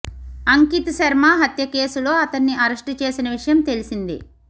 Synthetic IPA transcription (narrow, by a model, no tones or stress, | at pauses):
ɐŋkit̪ɐsɐɾmaːɦɐt̪jɐke̞ːsulo̞ːɐt̪ɐnːiʔɐɾɐʂʈut͡ʃe̞ːsinɐʋiʂɐjɐmt̪e̞lisind̪ḭ